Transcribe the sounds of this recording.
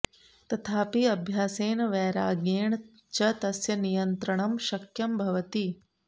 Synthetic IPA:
t̪ɐt̪ʰaːpiɐbʱjaːseːnʋɛːɾaːɡeːɳ | t͡ʃɐt̪ɐsjɐnijɐnt̪ɾɐɳɐmʃɐkjɐmbʱɐʋɐt̪i

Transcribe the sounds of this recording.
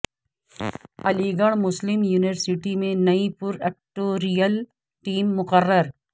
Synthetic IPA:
ɐliːɡəɽ̃mʊslɪmjuːniʋəɾsɪʈimẽnɐipʊɾɛk̚ʈoːɾijəl | ʈiːmːʊqərːəɾ

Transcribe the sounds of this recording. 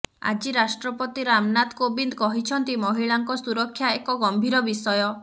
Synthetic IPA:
a̰d͡ʒiɾasʈɾɔpɔt̪iɾamnad̪kobind̪kɔɦit͡ʃʰɔnt̪imɔɦiɭaŋkɔsuɾɔkʰːjaekɔɡɔmbʱiɾɔbisɔjɔ

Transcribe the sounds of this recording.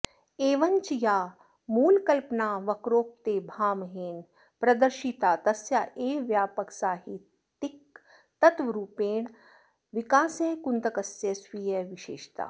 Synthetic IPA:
eːʋɐnt͡ʃijaː | muːlkɐlpnaːʋɐkɾoːp̚t̪eːbʱaːmɦeːn | pɾɐd̪ɐɾʃit̪aːt̪ɐsjaːʔeːʋjaːpɐksaːɦi | t̪ik | t̪ɐt̪ʋɐɾuːpeːɳ | ʋikaːseːkunt̪ɐkɐsjesʋiːjeʋiʃeːʃt̪a̰ː

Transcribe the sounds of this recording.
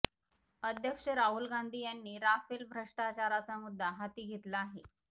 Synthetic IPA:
əd̪ʱjəkʂəɾaɦulɡand̪ʱiːjanːiːɾafelbʱɾəʂʈat͡ɕaɾat͡samud̪ʱːaɦat̪iːɡʱet̪laːɦe

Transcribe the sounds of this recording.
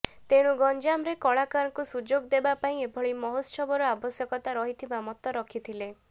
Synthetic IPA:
t̪eɽ̃ũɡɔnd͡ʒamɾekɔɭakaɾɔkusud͡ʒoɡd̪ebapaĩebʱɔɭimɔɦot̪ʃɔbɔɾɔabɔsjɔkɔt̪aɾɔɦit̪ʰibamɔt̪ɔɾɔkʰit̪ʰile

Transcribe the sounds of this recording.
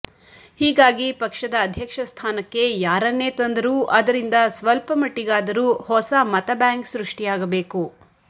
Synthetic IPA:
hiːɡaːɡipɐkʂɐd̪ɐːd̪ʱjɐkʂɐst̪ʰaːnɐkːe̞jaːɾɐnːe̞ːt̪ɐnd̪ɐɾuːʔɐd̪ɐɾind̪ɐsʋɐlpɐmɐʈːiɡaːd̪ɐɾuːhɔsɐmɐt̪ɐbjaːŋksɾuʂʈijaːɡɐbe̞ːku

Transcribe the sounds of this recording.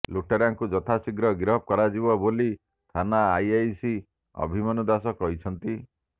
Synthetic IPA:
luʈeɾaŋkud͡ʒɔt̪ʰasiɡɾɔɡɾɔp̚kɔɾad͡ʒibɔboli | t̪ʰanaːjajsi | ɔ̰bʱimɔnɔd̪asɔkɔɦit͡ʃʰɔnt̪i

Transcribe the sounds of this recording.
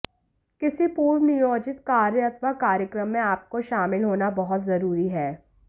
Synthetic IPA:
kɪsipuːɾʋnɪjoːd͡ʒɪt̪kaːɾət̪makaːɾjəkɾəmːẽaːp̚koʃaːmɪlɦoːnabɐɦʊt̪zɐɾuːɾiɦɛː

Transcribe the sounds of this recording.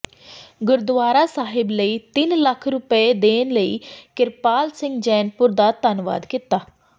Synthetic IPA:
ɡʊɾd̪ʋaːɾasaːɦɪbləiːt̪inləkʰɾʊped̪eːnləḭːkɪɾpaːlsɪ̃ŋɡd͡ʒɛːnpʊɾd̪at̪anʋa̰ːd̪kit̪aː

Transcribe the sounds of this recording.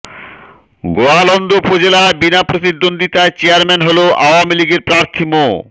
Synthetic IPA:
ɡoalɔnd̪ʱopod͡ʑelabinapɾosid̪ːond̪ʱit̪aet͡ɕeaɾmɛnɦoloʔaoamiliɡeɾpɾaɾt̪ʰimo

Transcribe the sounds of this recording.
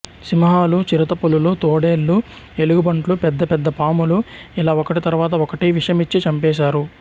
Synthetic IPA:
simɐɦaːlut͡ʃiɾɐt̪ɐpululut̪oːɽeːlːue̞luɡubɐɳʈlupɛd̪ːɐpɛd̪ːɐpaːmuluilaːɔkɐʈit̪ɐɾuʋaːt̪̬ɐɔkɐʈiʋiʂɐjɐmit͡ʃːit͡ʃɐmpɛːʃ̬aːɾu

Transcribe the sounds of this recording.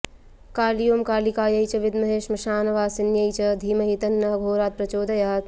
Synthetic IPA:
kaːlijoːmkaːlikaːjɐjt͡ʃɐʋɪd̪mɐɦeːʃmɐʃaːnɐʋaːsinjɐjt͡ʃɐd̪ʱiːmɐɦit̪ɐnːɐɦɐɡʱoːɾaːt̪̚pɾɐt͡ʃoːd̪ɐjaːt̪

